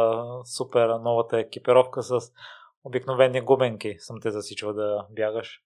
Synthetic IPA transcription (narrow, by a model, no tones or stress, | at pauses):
supɛɾnɔvət̪əɛk̟ipiɾɔfkəsɐs | obiknovɛnːiɡumɛŋkisəmt̪ɛzɐsit͡ʃvəd̪ɐbjaɡəʃ